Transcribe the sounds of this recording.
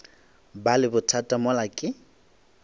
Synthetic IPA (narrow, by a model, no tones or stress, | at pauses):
balɪbʊtʰatʼamɔlakʼɪ